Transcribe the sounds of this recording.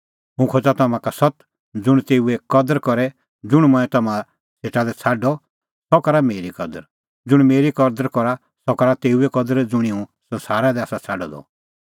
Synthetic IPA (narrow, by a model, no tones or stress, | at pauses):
ɦũkʰod͡zat̪ɐmãkasɔt̪ | d͡zʊɽ̃t̪eːuɛkɔd̪əɾkɔɾɛ | d͡zʊɽ̃mɔ̃ɛ̃t̪ɐmã | seːʈad̪ɛt͡sʰaɖɔ | sɔkɔɾameːɾikɔd̪əɾ | d͡zʊɽ̃meːɾikɔd̪əɾkɔɾa | sɔkɔɾat̪eːuɛkɔd̪əɾd͡zʊɽ̃iũsɐ̃nsaːɾad̪ɛaːsat͡sʰaɖɔd̪ɔ̰